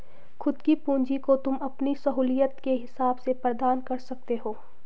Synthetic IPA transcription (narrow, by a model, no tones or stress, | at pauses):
xʰʊd̪kipũːɲd͡ʒikot̪ʊmɐpnisɐɦuːlijət̪keɦɪsaːbsepɾɐd̪aːnkɐɾsɐk̚t̪eɦoː